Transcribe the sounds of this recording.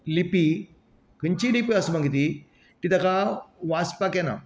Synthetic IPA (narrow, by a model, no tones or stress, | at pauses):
lipi | kəɲt͡ɕiɽipiasmaŋɡit̪̬i | k̪id̪ɐkaʋaspakɛna̰